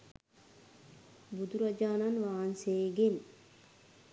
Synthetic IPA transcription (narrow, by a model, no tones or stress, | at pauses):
bud̪uɾad͡ʒaːnanʋaːnseːɡen